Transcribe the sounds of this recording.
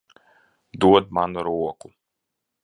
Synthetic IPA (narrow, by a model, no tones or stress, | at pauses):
d̪uɔd̪manuɾuɔku